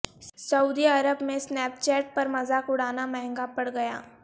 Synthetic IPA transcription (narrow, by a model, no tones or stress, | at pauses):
sɐuːd̪iɐɾəbmẽsnɛːp̚t͡ʃɛːʈ̚pɐɾmɐzaːkʊɽ̤aːnamɛɦɛ̃ŋɡapɐɽɡɐja̰ː